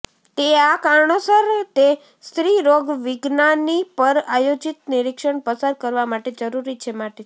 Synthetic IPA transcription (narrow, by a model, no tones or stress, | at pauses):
t̪eakaɾɳosəɾt̪e | st̪ɾiɾoɡʋɪɡnanipəɾajod͡ʒit̪nɪɾikʃəɳpəsaɾkəɾʋamaʈed͡ʒəɾuɾit͡ʃʰemaʈe